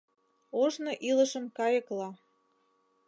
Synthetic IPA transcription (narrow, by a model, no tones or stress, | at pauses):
oʒnoʔilə̆ʃəmkɑjə̆klɑ